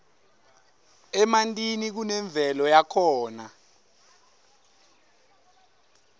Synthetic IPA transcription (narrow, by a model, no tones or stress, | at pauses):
ɛmantʼinik̬unɛɱb̪vʱɛlɔjakʰɔːna